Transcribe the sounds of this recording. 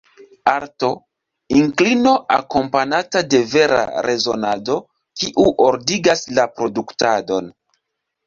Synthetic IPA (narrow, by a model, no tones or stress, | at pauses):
aɾto̞ | iŋklino̞ʔa̰ko̞mpanatade̞ve̞ɾa̰ɾʔe̞zo̞na̰do̞ | kiʔuʔoɾdiɡaslapɾo̞duktado̞n